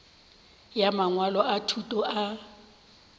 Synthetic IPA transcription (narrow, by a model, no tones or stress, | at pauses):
jamaŋwalɔatʰutʼɔʔa